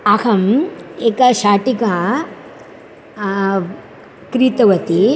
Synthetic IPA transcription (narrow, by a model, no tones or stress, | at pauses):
ɐhɐmeːkɐʃaːʈikɐ | kɾit̪ɐʋɐt̪i